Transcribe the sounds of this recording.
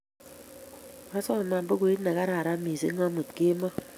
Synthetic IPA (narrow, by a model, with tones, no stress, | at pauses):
a˦sɔ˦˨ma˨bo˦ko˨i˦na˨ka˦ɾa˨ɾa˦mi˨sḛ˦ŋa˦mu˨tke˦ma˦